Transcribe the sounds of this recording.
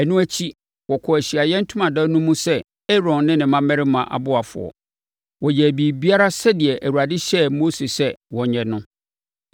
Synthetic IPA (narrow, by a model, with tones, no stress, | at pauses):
æ˨nũ˦æ˦t͡ɕʰi˦ | wɔ˨kʰɔ˨æ˨ɕi˨a˨jɛ̃˦n̩˦tʰũ˦mã˨dã˦nũ˦mũ˦sɛ˦ | ɛ˦ɾɔ̃˨nːɪ̃˦nɪ̃˨mã˦mæ˦ɾɪ˦mã˨ʔa̰˨bʊ˦a˨fʊ̰˨ɔ̰˨ | wɔ˨jɛ˨æ˨biː˨bi˦a˦ɾa˦sɛ˦dɪ˨ɛ˨ʔæ˨wu˨a˨dɪ˦ɕɛ˦mo˦se˨sɛ˦wɔ˨ɲɛ̃˨nʊ̃˦